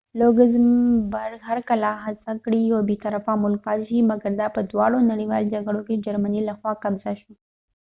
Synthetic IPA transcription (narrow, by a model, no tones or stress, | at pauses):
loɡɪzmbaɾɡhaɾkalaɦasakɽiawbet̪aɾafamʊlk̚pɑt̪ʃimaɡaɾd̪ɑpəd̪wɑɽonaɽiwɑld͡ʒaɡɽoked͡ʒaɾmanilaxwɑkabzaʃu